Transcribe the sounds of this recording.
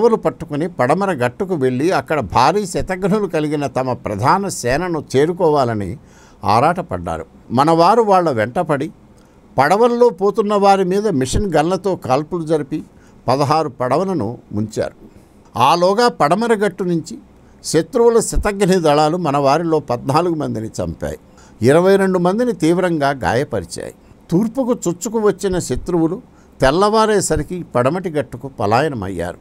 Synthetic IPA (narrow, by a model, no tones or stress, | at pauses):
ʋɐlupɐʈːu̥kunipɐɽɐmɐɾɐɡɐʈːukuʋe̞ɭːiɐkːɐɽɐbʱaːɾiːsɐt̪ɐɡɳulukɐliɡinɐt̪ɐmɐpɾɐ̰d̪ʱaːnɐsɛːnɐnut͡ʃe̞ːɾukɔːʋaːlɐnḭ | a̰ːɾaːʈɐpɐ̰ɖːa̰ːɾu | mɐnɐʋaːɾuʋaːɭːɐʋɛɳʈɐpɐɽi | pɐɽɐʋɐnlo̞ːpoːt̪unːɐʋaːɾimiːd̪ɐmiʂɐnɡɐnlɐt̪o̞ːkaːlpulud͡ʒɐɾipi | pɐd̪ɐɦaːɾupɐɽɐʋɐlɐnṵmuɲt͡ʃa̰ːɾu | aːlɔːɡɐpɐɽɐmɐɾɐɡɐʈːunuɲt͡ʃi | ʃet̪ɾuʋulɐsɐt̪ɐɡɐnid̪ɐɭaːlumɐnɐʋaːɾilo̞ːpɐd̪naːluɡumɐnd̪init͡ʃɐ̰mpa̰ːji | iɾɐʋɐjɾe̞ɳɖumɐnd̪init̪iːʋɾɐŋɡaːɡa̰ːjɐpɐ̰ɾit͡ʃa̰ːjḭ | t̪uːɾpukut͡ʃut͡ʃːukuʋɐt͡ʃːinɐʃet̪ɾuʋulu | t̪ɛlːɐʋaːɾeːsɐɾikipɐɽɐmɐʈiɡɐʈːukupɐ̰laːjɐnɐmɐ̰jːa̰ːɾu